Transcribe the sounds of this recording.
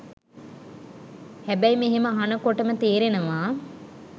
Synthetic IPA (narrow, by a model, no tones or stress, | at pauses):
hæbæjmeɦeməɦanəkoʈəmət̪eːɾenəʋaː